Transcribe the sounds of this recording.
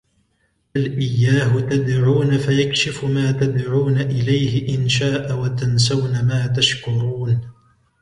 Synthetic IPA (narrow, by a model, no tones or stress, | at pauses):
alʔɪjːaːɦʊt̪ad̪ʕuːnafajakʃɪfʊmaːt̪ad̪ʕuːnaʔɪlajhɪʔɪnʃaːʔawat̪ans̬awnamaːt̪̬aʃkʊɾuːn